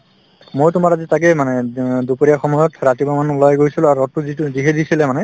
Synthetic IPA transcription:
mojtʊmaɹazitak̬ɛmanɛdupoɹijaxɔmɔjɔtɹatibamanulɔjɡojsilaɹuɔtːuziziɦɛdisilɛmanɛ

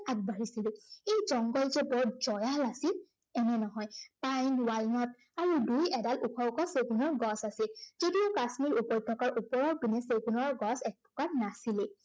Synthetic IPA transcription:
aɡ̚bʱaɹisilʊejzɔŋɡɔlzɛbɔzɔjalasil | ɛnɛnɔɦɔjpajnwalnɔt̚ | aɹudujɛdalukʰɔkɔseɡunɔɹɡɔsasilz̥odiokasmiɹupɔjt̪ʰːɔkaɹʔupɔɹɔɹbinɛseɡunɔɹɡɔsɛk̚pʰɔ̥kaɹnasilɛ

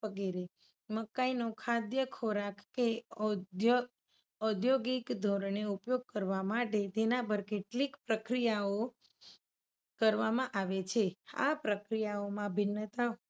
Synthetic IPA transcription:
ʋəɡiɾe | məkainokʰad̪jəkʰoɾakːe | j | ɔd̪ʱjoɡikd̪ʱoɾɳeupjoɡ̚kəɾʋamaʈed͡ʒ̪enabəɾkeʈlikpɾəkɾijao | kəɾʋamãʔaʋet͡ʃʰea̰pɾəkɾijaomãbʱɪnːət̪a

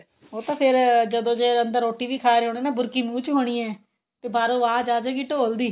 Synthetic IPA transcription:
ɦoːt̪ãːpʰɪɾd͡ʒəd̪õːd͡ʒeːənd̪əɾoːʈiːʋiːkʰaːɾɦoːɽeːnaːbʊɾkiːmũːt͡ʃɦoːɽ̃iːɛ̃ː | t̪eːbaːɾõːʋãːd͡ʒaːd͡ʒakiːʈoːld̪iː

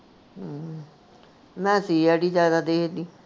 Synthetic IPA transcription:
mɛ̃ːsiːɛːɽiːd͡ʒjaːd̪aːd̪eːd̪iː

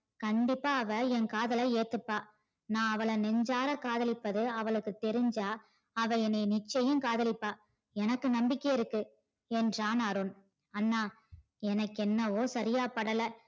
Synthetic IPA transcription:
kɐɳɖɪpːaːɐʋɐɛnkaːðɐlɐeːt̪ːɯpːaː | nãːɐʋɐɭɐnɛɲd͡ʒaːɾɐkaːðɐlɪpːɐðɯɐʋɐɭɯkːɯt̪ɛɾɪɲd͡ʒaː | ɐʋɐɛneːnɪt͡ʃːɐjɯmkaːðɐlɪpːaː | ɛnɐkːɯnɐmbɪkːɐjɪɾɯkːɯ | ɛndraːnɐɾɯn | ɐnːaː | ɛnɐkːɛnːɐʋoːsɐɾɪjaːpɐɽɐlɐ

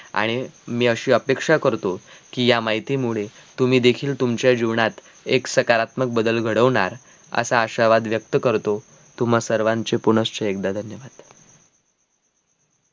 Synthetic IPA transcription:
a̰ɽ̃imiːəɕiːəpekʂakəɾt̪okiːjamaɦit̪iːmuɭe | t̪um̤iːd̪ekʰiːlt̪umt͡ɕjad͡ʑiʋɳat̪ | eksəkaɾat̪mək̚bəd̪əlɡʱəɽəʋɳaɾ | ə̰saːɕaɾʋad̪ʋjək̚t̪əkəɾt̪o | t̪um̤asəɾʋãɲt͡sepuɳəst͡ɕəekd̪ad̪ʱənjəʋad̪̥

